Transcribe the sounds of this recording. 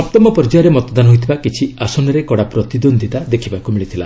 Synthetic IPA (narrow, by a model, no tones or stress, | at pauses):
ɔp̚t̪ɔmɔpɔɾd͡ʒaɾemɔt̪ɔd̪anɦojt̪ʰibakit͡ʃʰiasɔnɔɾekɔɽapɾɔt̪id̪ond̪ʱit̪ad̪ekʰibakumiɭit̪ʰila